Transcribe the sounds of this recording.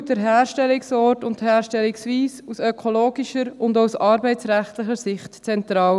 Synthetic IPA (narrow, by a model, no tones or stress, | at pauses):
dəɾɦæːɾʃtɛliksɔːɾtʊnthæːɾʃtɛliksʋiːsusœkʰoloːɡiʃəɾʊndawsɑːɾbɛɪtt͡sɾæχtləχəɾsɪχtt͡sɛntɾɑːl